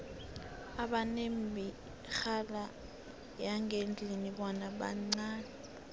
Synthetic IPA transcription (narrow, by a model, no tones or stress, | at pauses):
aɓanem̩bʱi | xala | jaŋend͡ɮʱiniɓɔnaɓa̰ŋ͡ǀaːnɛ